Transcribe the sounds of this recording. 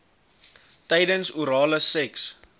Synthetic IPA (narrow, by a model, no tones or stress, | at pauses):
tɛjdənsuɾɑːləsɛks